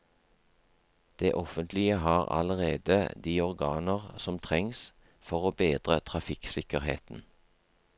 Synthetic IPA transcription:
d̪̥eːʔɔfənt̪ʰlɪəɦɑːʁɑ̰ləʁeːd̪əd̪iːɔʁɡɑːnəʁsɔmt̪ʰʁɛŋs | fɔʁoːbeːd̪ʁət̪ʰʁɑfɪksɪkəʁhḛːt̪n̩

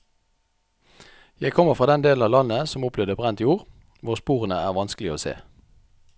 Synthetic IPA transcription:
jæɪkʰɔməʁfʁɑːd̪ɛnd̪eːln̩ɑːʋlɑnəsɔmʊpʰlɛːd̪əbʁɛnt̪juːʁ | ʋʊʁspuːʁənəæːʁʋɑnskəlɪoːsḛː

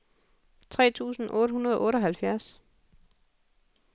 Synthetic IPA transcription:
t͡sʰʁɛ̰ːt͡sʰṵːsn̩ʔɔ̽ːɾəhunɐð̞ˠɒʔɔ̽ːɾɒ̽ɦælfjæɐs

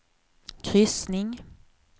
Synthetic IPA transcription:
kʰɾʏsnɪŋ

